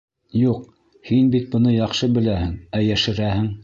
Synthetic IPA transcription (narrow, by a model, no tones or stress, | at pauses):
juq | hinbit̪̚bɤ̆nɤjɑχʃɤbɘ̆læhɘŋæjæʃɘ̆ɾæhɘŋ